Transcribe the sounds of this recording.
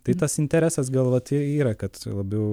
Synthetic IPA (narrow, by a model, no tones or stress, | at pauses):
t̪ɐɪt̪ɐsɪnʲt̪ʲɛɾʲæːsɐs̬ɡɐlˠʋɐt̪iiːɾɐkɐt̪lˠɐbʲɛʊ